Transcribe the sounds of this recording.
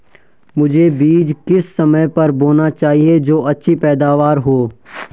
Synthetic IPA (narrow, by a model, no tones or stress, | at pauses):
mʊd͡ʒʱebiːd͡ʒkɪsːɐməjpɐɾboːnat͡ʃaːɦied͡ʒoːɐtːʃʰipɛːd̪aːʋaːɾɦoː